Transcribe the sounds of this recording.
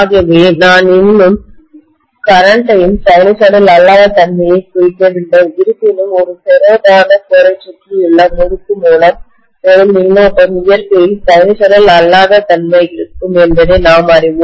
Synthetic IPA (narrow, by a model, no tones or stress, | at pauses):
ɣɐʋeːnaːnɪnːɯm | kɐɾɐɳʈɐjɯmsɐɪnɯsɐɽɐlɐlːaːðɐt̪ɐnmɐjɐɪkʊjɪkːɐʋɪɳɖɐɪɾɯpːɪnɯmɔɾɯsɛɾoːbaːɣɐkɔɾɐt͡ʃːɪʈriɪɭːɐmɔɽɯkːɯmuːlɐm | ɛɾɯmɪnːoːpːɐmʊjɐɾkɐjɯmsɐɪnɯsɐɽɐlɐlːaːðɐt̪ɐnmɐɪɪɾɯkːɯmɛnbɐðeːnaːmɐɾɪʋɯ